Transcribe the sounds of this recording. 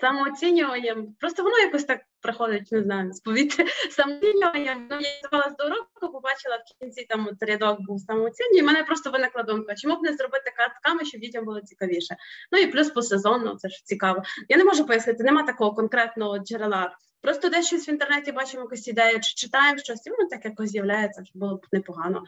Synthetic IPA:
sɐmɔːt͡sʲinʲʊʋɐnʲːɐmpɾɔst̪ɔʋɔnɔjakɔsʲt̪ɑk̚pɾɪxɔd̪ɪtʲnɪznɑjʊmspɔʋʲit̪ɪsɐmɔsʲinʲʊʋɐnʲːɐmnujazɐʋɑlˠɐsʲd̪ɔɾɔkɔpɔbɑt͡ʃɪlˠɐwkʲinʲt͡sʲit̪ɑmɔt̪ɾʲɪd̪ok̚buwsɑmɔɔt͡sʲinʲːʊimɛnɛpɾɔst̪ɔʋɪnɪklˠɐd̪ɔmkɐt͡ʃomubnɛzrɔbɪt̪ɪkat̪kɑmɐʃt͡ʃːɔbdʲitʲɐmbʊlˠɐt͡sʲikɐʋʲiʃɛnuiplʲuspɔsezɔnːʊ̰t̪ɛʂt͡sʲikɑʋɔjanemɔʒʊpɔjɐsnɪt̪ɪnemɑt̪ɐkɔɦɔkɔnkɾɛt̪nɔɦɔd͡ʒeɾelˠɑ | pɾɔst̪ɔd̪ɛʃt͡ʃɔsʲʋint̪ernɛtʲibɑt͡ʃɪmɔjɐkusʲid̪ɛjʊt͡ʃɪ̥t͡ʃɪt̪ɑjemʃt͡ʃɔsʲtʲinʊt̪ɑkjɐkɔɔzʲjɐwlʲajet͡sʲːɐʐɛbʊlˠɔbnɛpɔɦɑnɔ̰

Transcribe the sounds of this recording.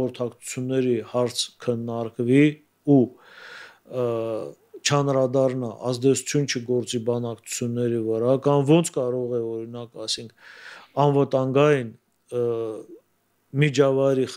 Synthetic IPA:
ɔɾt̪ʰɑkt͡sʰu̥t͡sʰjunːɛɾihɑɾt͡sʰkʰənːɑɾkvi | u | t͡ʃʰəɑnɾɑd̪ɑrnɑʔɑzd̪ɛt͡sʰu̥t͡sʰjunt͡ʃʰəɡɔɾt͡sibɑnɑkt͡sʰu̥t͡sʰjunːɛɾivəɾɑkɑmvɔnt͡sʰkɑɾɔʁɛɔɾinɑkɑjsiŋkʰɑnvət̪ɑŋɡɑjin | mid͡ʒɑvɑjɾiχ

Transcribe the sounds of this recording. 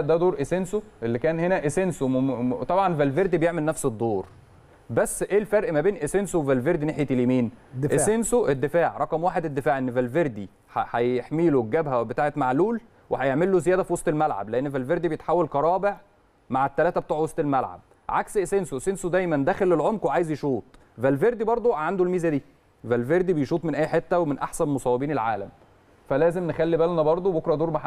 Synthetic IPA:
d̪æd̪oːɾʔesensoʔelːikæːnhenæʔesensomt̪ˤɑbʕɑnvælveɾd̪ibejeʕmelnæfsed̪ˤːoːɾ | bæsːʔeːlfæɾʔmæbeːnʔesensowevælveɾd̪ineħjet̪eljemiːnʔessensoʔed̪ːefaːʕɾˤɑqɑmwaːħed̪ed̪ːefaːʕʔenːvælveɾd̪i | ħæħæjeħmiːloɡæbɦæbet̪aːʕet̪maʕluːl | wehæjeʕmelːozejæːd̪æfiwɑsˤt̪ˤelmælʕa̰bleʔenːevælveɾd̪ibejet̪ħawːælqɑɾˤɑːbeʕ | maʕet̪ːælæːt̪æbet̪uːʕwɑsˤt̪ˤelmælʕa̰b̥̚ | ʕaksʔesensoʔesensod̪æjmænd̪æːxelelʕomkweʕaːjezjeʃuːt̪ˤ | vælveɾd̪ibɑɾˤd̪ˤoʕand̪olmiːzæd̪iː | vælveɾd̪ibejʃuːt̪ˤmenʔæːjħet̪ːæwemenʔaħsænmosˤɑːwebiːnelʕaːlæm | fælæːzemnexælːibælnæbɑɾˤd̪ˤobokɾˤɑd̪uːɾmaħa

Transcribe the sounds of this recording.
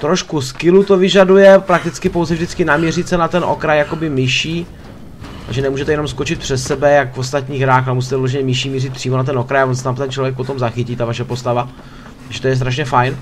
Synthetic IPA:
t̪ɾo̞ʃkuskɪlut̪ovɪʒadujɛpɾak̚t̪ɪt͡skɪpo̞wzɛvʒdɪt͡skɪnamɲɛrɪt̪sɛnat̪ɛnʔo̰kɾajjako̞bɪmɪʃiː | a̰ʒɛnɛmuːʒɛt̪ɛjɛno̞mskot͡ʃɪt̪̚pr̥ɛssɛbɛjakvo̞st̪at̪ɲiːɣɦɾaːxalɛmus̬iːt̪ɛvɪloʒɛɲɛmɪʃiːmirɪt̪̚pr̝̥iːmo̞nat̪̬ɛno̞kɾajavons̬ɛ̥t̪amt̪ɛnt͡ʃlo̞vjɛkpo̞t̪o̞mzaxɪciːt̪avaʃɛpo̞st̪ava | t̪aɡʒɛt̪ojɛs̬t̪ɾaʃɲɛfajn

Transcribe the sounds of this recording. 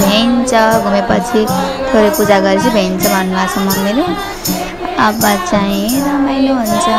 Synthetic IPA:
bʱent͡sʰʌɡʱumepʌt͡sʰit̪ʰoɾepud͡zaɡʌɾit͡sʰibʱeint͡sʰʌbʱʌnːubʱat͡sʰʌ̃mʌmele | ʌbat͡saĩɾʌmʌjleɦunt͡sʰʌ

